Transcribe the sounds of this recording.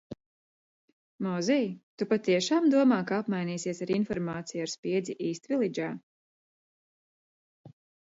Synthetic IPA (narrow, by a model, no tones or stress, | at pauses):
mɔːzɛjt̪upat̪iɛʃaːmd̪uɔmaːkaapmajniːsiɛsaɾinfɔɾmaːt̪sijaɾspʲiɛd̪zʲiʔiːst̪vilʲˠid͡ʒaː